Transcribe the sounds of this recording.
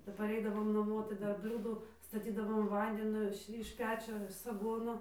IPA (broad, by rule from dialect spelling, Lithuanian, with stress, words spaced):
kɐp pɐˈrʲɛɪdɐʋoːm nɐˈmuɔ tɐɪ ˈdɐr ˈbʲlʲuːdʊ stɐˈtʲiːdɐʋoːm ˈʋɐnʲdʲɪnʲoː ɪʃ ɪʃ ˈpʲæːt͡ʃʲoː sɐˈɡoːnoː